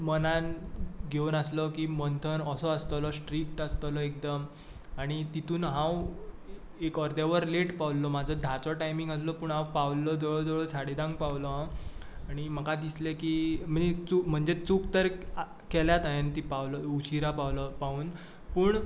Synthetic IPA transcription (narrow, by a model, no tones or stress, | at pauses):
mənanɡʱeunaslɔkiːmənt̪ʰənɔsɔəst̪lɔsʈɾik̚ʈəst̪lɔek̚d̪əm | aɽ̃it̪it̪ʰuːnɦãw | ekɔɾd̪eʋəɾleʈpaʋllɔmad͡zʱɔd̪ʱat͡sɔʈajmiŋɡəs̬lɔpuːɳɦãwpawllːɔd͡zɔɭɔd͡zəɭɔsaɽid̪ãŋɡ̚pawlɔ | aɽ̃iməkad̪islekim̤əd͡zet͡sukm̤əɳd͡zet͡sukt̪əɾ | kɛljat̪ajent̪ipawlɔuɕʰiɾapawlɔpauːn | puːɳ